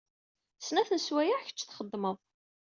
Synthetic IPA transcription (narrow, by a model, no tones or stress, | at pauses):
snæθənswæjaʕçə̥t͡ʃːθχəd̪ˤːməðˤ